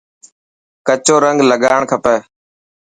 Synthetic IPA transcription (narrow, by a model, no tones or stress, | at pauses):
kət͡ʃoːɾəŋɡləɠaːɳkʰəpəː